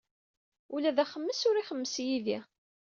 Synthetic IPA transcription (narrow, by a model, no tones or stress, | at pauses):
ulæðæχəmːəsʊɾiχəmːəsjiði